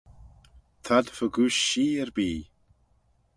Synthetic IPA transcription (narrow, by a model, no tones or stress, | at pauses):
t̪ʰad̪fəɡuːʃːiːɛɹbiː